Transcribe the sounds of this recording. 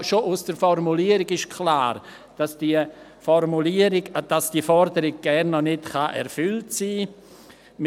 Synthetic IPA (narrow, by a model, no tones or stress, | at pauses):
ʃoʔʊsd̥əɾfɔɾmuliːəɾɪɡɪʃkʰlaːɾ | d̥asd̥iə | fɔɾmuliːəɾɪɡd̥asd̥iːfɔɾdəɾɪɡ̚ɡ̥ɛrnːɔnɪtχaʔɛ̰ɾfʏltsiː | m